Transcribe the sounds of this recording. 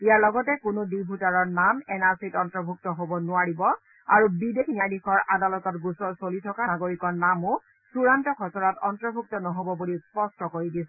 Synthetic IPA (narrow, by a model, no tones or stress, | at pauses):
ijaɹlɔɡɔtɛkʊnʊdibʱutaɹɔɹnamɛnaɹsitɔntɹɔbʱuk̚tɔɦobɔnʊaɹibɔ | aɹubidekʰinijajdikɔɹʔadalɔtɔtɡusɔɹsolitʰɔkaaɡoɹikɔɹnamʊ | suɹantɔkʰɔsɔɹatɔntɹɔbʱuk̚tɔnɔɦobɔbulispɔstɔkoɹidis